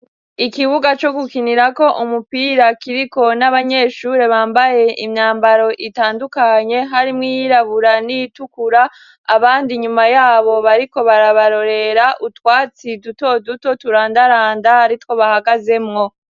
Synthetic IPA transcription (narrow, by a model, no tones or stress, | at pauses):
ikiβuɡat͡ʃo̞ɡukiniɾako̞ʔumupiːɾakiɾiko̞naβaɲe̞ːʃuːɾe̞βaːmbaje̞ʔimɲaːmbaɾo̞ʔitaːndukaɲe̞ɦaɾimŋijiɾaβuɾanijitukuɾaː | βaːndiɲumajaːβo̞βaɾiko̞βaɾaβaɾo̞ɾe̞ɾaʔutwaːt͡siduto̞duto̞tuɾaːndaɾaːndaːɾitwo̞βahaɡaze̞mŋo̞